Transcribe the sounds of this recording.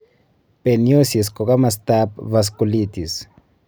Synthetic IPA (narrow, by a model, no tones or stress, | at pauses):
penjosis̬kokamas̬t̪apvas̬kulit̪is